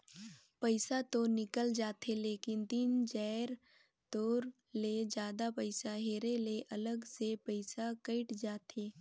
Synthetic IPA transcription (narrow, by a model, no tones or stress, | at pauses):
pəɪsat̪oːnɪkəld͡ʒaːt̪eleːkɪnt̪iːnd͡ʒɛːɾ | t̪oːɾ | led͡ʒjaːd̪apəɪsaɦeːɾeleʔɐləɡsepəɪsakəɪʈd͡ʒaːt̪eː